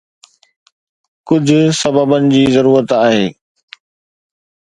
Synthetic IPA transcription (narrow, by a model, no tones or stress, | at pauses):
kʊd͡ʑʱʊsɐbəbənɪ̆d͡ʑiːzɐɾuːɾət̪aːɦeː